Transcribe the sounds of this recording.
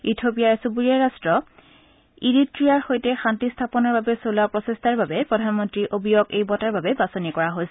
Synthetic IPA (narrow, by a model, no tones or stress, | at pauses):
itʰopijasubuɹiaɹastɹɔ | iɹitɹijaɹxojtɛxantistʰapɔnɔɹbabɛsolapɹɔsestʰaɹbabɛpɹɔdʱanmɔntɹiʔobʱijokejbɔtaɹbabɛbasonikɔɹaɦojs